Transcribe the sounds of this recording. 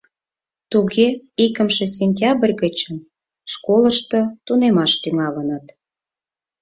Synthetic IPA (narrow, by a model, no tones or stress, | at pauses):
t̪uɣeikəmʃesʲenʲt̪ʲɑbrʲɣət͡ɕəm | ʃkoləʃt̪ot̪unemɑʃt̪yŋɑlənət̪